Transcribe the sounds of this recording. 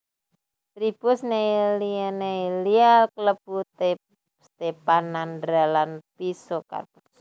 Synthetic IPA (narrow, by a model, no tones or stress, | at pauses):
t̪ɾipʊsnelineilialkələput̪e | st̪epanandɾalanpisoka̰rpus